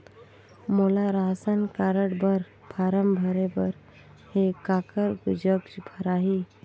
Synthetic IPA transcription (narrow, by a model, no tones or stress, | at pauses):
molaɾaɦsənkaɾəɽbəɾ | pʰaɾəmbʱəɾebəɾ | hekakəɾɡd͡ʒəɡd͡ʒbʱəɾaɦi